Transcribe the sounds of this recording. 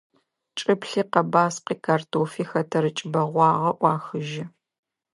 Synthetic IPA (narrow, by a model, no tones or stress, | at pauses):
t͡ʃʼɨpɬiːqɐbaːsqiːkʰaːrtʰoːfiːxɐtʰɐɾɨt͡ʃʼɪbɐʁʷɑːʁɐʔʷɑːxɨʒɪ